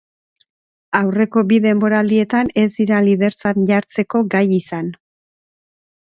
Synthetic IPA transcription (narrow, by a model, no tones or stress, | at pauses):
awre̞ko̞biðe̞mbo̞ɾald̪ie̞t̪ane̞zd̪iɾaliðe̞ɾt͡sanʝaɾt͡se̞ko̞ɡajisan